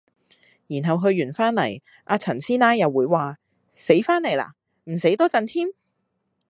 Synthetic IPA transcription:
jiː˨˩nɦɐ˨wɦɵ˧ɥːyː˨˩nfaː˥nlɐ˨˩j | ʔaː˧t͡sʰɐ˨˩nsiː˥naː˥jːɐ˨wːuː˨˥jwaː˨ | se˨˥jfaː˥nle˨˩jla̰ː˨˩ | m̩˨˩se˨˥jt̪ɔː˥t͡sɐ˨nt̪ʰiː˥m

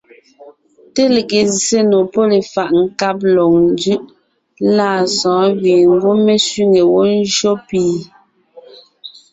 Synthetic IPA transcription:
te˦le˨ke˨se˦no˨pɔ˦le˨fa˨ʔŋ̩˨ka˦p̬̚lɔ˨ŋn˦d͡ʒʉ˦ʔ | la˦˨sɔ̃ː˨˦wi˨ŋ˦ɡu˦me˦sɥi˦ŋe˨wɔ˦n̩˦d͡ʒo˦piː˨

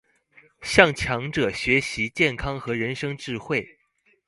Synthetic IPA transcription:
ɕjɑ˥˩ŋt͡ɕʰjɑ˧˥ŋʈ͡ʂɤ˨˩ɕɥɛ˧˥ɕi˧˥t͡ɕjɛ˥˩nkʰɑ˥ŋxɤ˧˥ɻə˧˥nʂɤ˥ŋʈ͡ʂɻ̩˥˧xwe˥˩ɪ

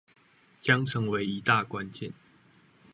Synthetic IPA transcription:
t͡ɕjɑ˥ŋʈ͡ʂʰɤ˨˦ŋwe˧˦ɪi˨˦t̪a˥˨kwa˦nt͡ɕjɛ˥˨n

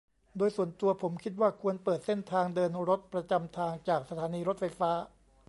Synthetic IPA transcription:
doː˧jsu˨˩ənt̪u˧ɐpʰo˩˦mkʰi˦˥t̪̚waː˥˩kʰu˧ənpɤː˨˩t̪̚se˥˩nt̪ʰaː˧ŋdɤː˧nɾo˦˥t̪̚pɾa˧t͡ɕa˧mt̪ʰaː˧ŋt͡ɕaː˨˩k̚sa˧t̪ʰaː˩˦˥niː˧ɾo˦˥t̪̚fa˧jfaː˦˥

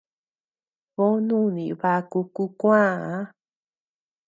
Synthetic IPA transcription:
βo˦nũ˦˨nĩ˨βa˧ku˧ku˧˦kʷã˦ã˧˦

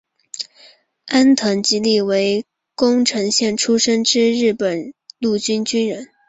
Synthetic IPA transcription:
a˥nt̪ʰɤ˧˥ŋt͡ɕi˥li˥˩we˧˥ɪ | kʊ˥ŋʈ͡ʂʰɤ˧˥ŋɕjɛ˥˩nʈ͡ʂʰu˥ʂɤ˥ŋʈ͡ʂɻ̩˥ɻɻ̩˥˩pə˨˩nlu˥˩t͡ɕy˥nt͡ɕy˥nɻə˧˥n

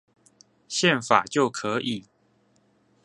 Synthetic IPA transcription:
ɕjɛ˥˨nfa̰˨˩t͡ɕjo˥˨ʊkʰə˨˦ʔi˨˩˦

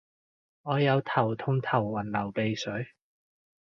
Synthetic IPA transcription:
ŋɔː˨˧jɐ˨˧wt̪ʰɐ˨˩wt̪ʰʊ˧ŋt̪ʰɐ˨˩wːɐ˨˩nlɐ˨˩wpe˨˧jsɵ˨˥ɥ

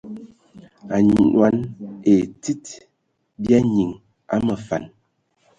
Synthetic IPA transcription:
a˨ɲwa˨˦ne˨ti˦t | bja˦ɲi˨ŋ | a̰˦mə˨fa̰˨n

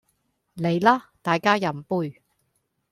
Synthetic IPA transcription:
le˨˧jlaː˥t̪aː˨jkaː˥jɐ˨˩mpuː˧j

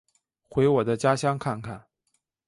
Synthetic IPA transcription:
xwe˧˥ɪwɔ˨˩d̪ə˦t͡ɕja˥ɕjɑ˥ŋkʰa˥˧nkʰa̰˥˩n

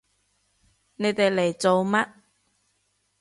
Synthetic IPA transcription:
ne˨˧jt̪e˨jle˨˩jt͡so˨wmɐ˥t̚

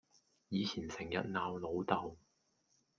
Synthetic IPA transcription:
jiː˨˧t͡sʰiː˨˩nsɪ˨˩ŋjɐ̰˨t̚naː˨wlo˨˧wt̪ɐ˨w

